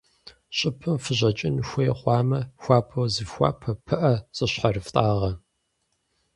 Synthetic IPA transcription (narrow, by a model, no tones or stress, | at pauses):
ɕʼɪpʰɨmfɨʑɐt͡ʃʼɪnxʷɔjɛχʷɑːmɐxʷaːpʰɐwzɨxʷa̰ːpʰɐpʰɨʔɐsʼɨɕħarɨftʼaːʁɐ